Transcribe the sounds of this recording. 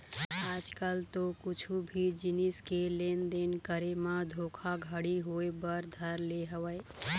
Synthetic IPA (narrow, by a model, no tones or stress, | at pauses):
ad͡ʒkalt̪okut͡ʃʰubʱid͡ʒiniskelend̪enkəɾemad̪ʱokʰaɡʱəɽiɦoebəɾd̪ʱəɾleɦəwəj